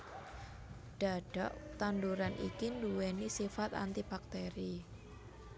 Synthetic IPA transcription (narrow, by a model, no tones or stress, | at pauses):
ɖ̥aɖ̥aʔt̪anduɾanʔḭkinduwenisifat̪a̰nt̪ib̥ak̚t̪eɾi